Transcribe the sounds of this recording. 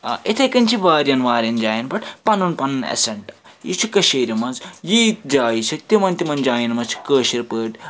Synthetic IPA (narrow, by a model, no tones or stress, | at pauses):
ʔit̪ʰɐkɐnt͡ʃʰiʋaːɾjɐnʋaːɾʲjɐnd͡ʒaːjinbɐʈpɐnunpɐnɐnḛsɐɳʈ | jit͡ʃʰikɐʃeːɾimɐnzjiːt̪̚d͡ʒaːit͡ʃʰɐt̪imɐnt̪imɐnd͡ʒaːjinmɐt͡ʃʰi̥kəːʃiɾpəːʈ